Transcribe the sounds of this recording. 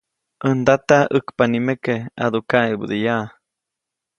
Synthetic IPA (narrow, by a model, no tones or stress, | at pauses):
ʔənd̪at̪aəkpanimekea̰d̪ukaebṵd̪ijaʔ